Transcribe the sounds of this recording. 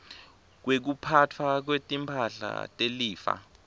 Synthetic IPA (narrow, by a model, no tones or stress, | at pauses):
k̬wek̬upʰatʰwak̬wetʼimpʰaɬa̰tʼeliːfa̰